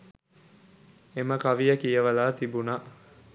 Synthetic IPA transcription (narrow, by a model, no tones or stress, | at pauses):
eməkaʋijəkijəʋəlaːt̪ibuna